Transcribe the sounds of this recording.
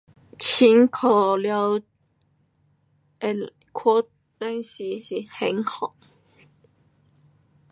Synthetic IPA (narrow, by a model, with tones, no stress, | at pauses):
t͡ɕʰi˧˥nkʰo˨˩ljɑ˧ʊ˨˩ | kʰɔ˥ | t̪a˥nɕi˧˥ɕi˧˥xe˧˥nxɑ˨˩˦ʊ